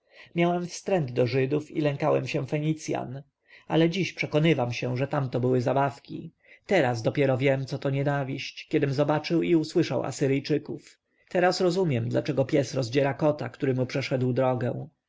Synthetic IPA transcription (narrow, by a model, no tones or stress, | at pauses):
mʲjawɛmfst̪ɾɛnd̪d̪ɔʐɘd̪ufḭlɛŋkawɛmɕɛfɛɲit̪sʲja̰n | a̰lɛd͡ʑiɕpʂɛkɔnɘvamɕɛʐɛt̪amt̪ɔbɘwɘzabafkʲḭ | t̪ɛɾazd̪ɔpʲjɛɾɔvʲjɛmt̪sɔt̪ɔɲɛnavʲiɕt͡ɕkʲɛd̪ɘmzɔbat͡ʂɘwiuswɘʂa̰wa̰sɘɾɘjt͡ʂɘkuf | t̪ɛɾasɾɔzumʲjɛmd̪la̰t͡ʂɛɡɔpʲjɛsɾɔzd͡ʑɛɾakɔt̪akt̪uɾɘmupʂɛʂɛd̪wd̪ɾɔɡɛ̃w̃